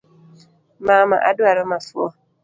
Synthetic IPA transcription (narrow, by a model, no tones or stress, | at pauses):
maːma̰ʔa̰dʊaɾɔmasuɔ